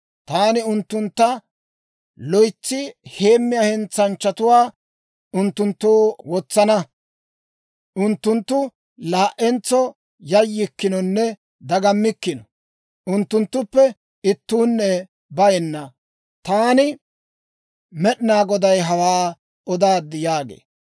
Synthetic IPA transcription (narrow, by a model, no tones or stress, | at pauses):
t̪aːnɪʊnt̪ːʊnt̪ːɐ | lɔjt͡sːɪhe̞ːmːɪjahɛnt͡sɐnt͡ʃːɐt̪ʊwaː | ʊnt̪ːʊnt̪ːoːwɔt͡sːɐnɐ | ʔʊnt̪ːʊnt̪ːʊ | laːʔɛnt͡sːɔ | jɐjːɪkːɪnɔnːɛ | d̪ɐɡɐmːɪkːɪnɔ | ʔʊnt̪ːʊnt̪ːʊpːɛ | ɪt̪ːuːnːɛ | bɐjɛnːɐ | t̪aːnɪ | mɛɗɪnaːɡɔd̪ɐjɦɐwaː | ɔd̪aːd̪ːɪjaːɡḛː